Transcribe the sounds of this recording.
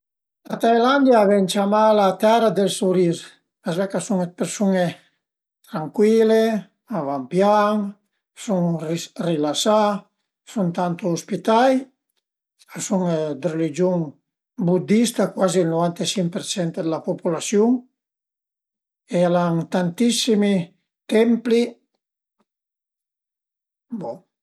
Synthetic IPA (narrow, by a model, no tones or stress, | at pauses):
lat̪ajland̪jaːvɛnt͡ʃamalat̪ɛɾad̪elsuɾiɾ | azvɛkasuŋpeɾsune | t̪ɾaŋkwile | avampjaŋ | suŋrilasa | sunt̪ant̪uːspit̪aj | asuŋd̪ərelid͡ʒjuŋ | bud̪ist̪akwaziːlnovant̪esiŋpeɾt͡ʃɛnt̪ed̪əlapopulasjuŋ | ealaŋt̪ant̪isimi | t̪ɛmpli | bo